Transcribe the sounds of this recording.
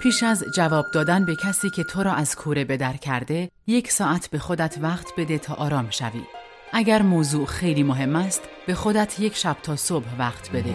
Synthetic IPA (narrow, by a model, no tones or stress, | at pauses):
pʰiːʃæzd͡ʒævɒːb̚d̪ɒːd̪ænbe̞cʰæsiːcʲʰe̞t̪ʰoɾɒːʔæz̥kʰuːɾe̞be̞d̪æɾcʰæɾd̪e̞ | je̞cʰsɒːʔæt̪ʰbe̞xo̞d̪æt̪ʰvæqt̪ʰbe̞d̪e̞t̪ʰɒːʔɒːɾɒːmʃæ̰vḭː | ʔæɡæɾmoːzuːʔxe̞jliːmoɦe̞mːæst̪ | b̥e̞xo̞d̪æt̪ʰje̞cʰʃæb̥̚t̪ʰɒːsob̥hvæqt̪ʰbe̞d̪e